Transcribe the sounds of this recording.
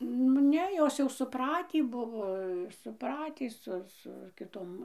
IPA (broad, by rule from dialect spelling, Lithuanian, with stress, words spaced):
nʊ ˈnʲɛ ˈjoːs jɛʊ sʊˈprɑːtʲiː ˈbʊʋoː sʊˈprɑːtʲiː ˈsʊ sʊ kʲɪˈtoːm